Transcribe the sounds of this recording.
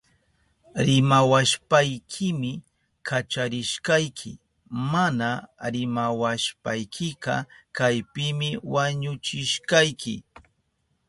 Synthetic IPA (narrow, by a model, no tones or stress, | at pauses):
ɾɪmawaʃpajkʰɪmɪ | kʰat͡ʃaɾɪʃkajkʰɪ̰ | manaɾɪmawaʃpajkʰɪqɑ̰kajpɪmɪwaɲʊt͡ʃɪʃkajkʰɪ